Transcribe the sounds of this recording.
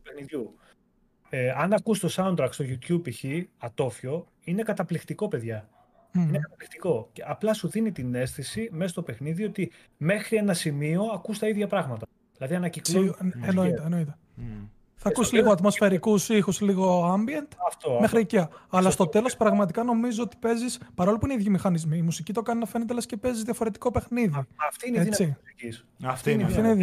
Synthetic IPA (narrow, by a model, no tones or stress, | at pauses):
upexniðʝu | eɐnɐkust̪o̞sɐund̪ɾɐkt̪st̪o̞ʝut̪çubiçiɐt̪o̞fio̞ | ine̞kɐt̪ɐplikt̪iko̞pe̞ðʝɐ | inekɐt̪ɐplixt̪iko̞ceɐplɐsuðinit̪ine̞st̪isime̞st̪o̞pe̞xniðio̞t̪i | me̞xɾie̞nɐsimio̞ɐkust̪ɐiðʝɐpɾɐɣmɐt̪ɐ | ðilɐðiɐnɐcikloenoit̪eenoit̪e | θɐkusizliɣoɐt̪mo̞sfe̞ɾikusixusliɣo̞ɐmbient̪ɐft̪ome̞xɾiiciɐɐlɐst̪o̞t̪e̞lo̞spɾɐɣmɐt̪ikɐno̞mizoot̪i̥pe̞zispɐɾo̞lipuineiðʝimixɐnizmiːmusicit̪o̞kɐninɐfe̞net̪elɐscepe̞zizðjʝɐfo̞ɾe̞t̪i̥ko̞pe̞xniðiɐft̪iinet͡siis | ɐft̪inɐfinei